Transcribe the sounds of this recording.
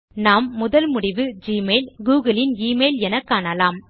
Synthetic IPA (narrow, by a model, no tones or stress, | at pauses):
naːmːʊðɐlmʊɽɪʋɯd͡ʒiːmeːlɡuːɣɐlɪniːmeːlɛnɐkːaːɳɐlaːm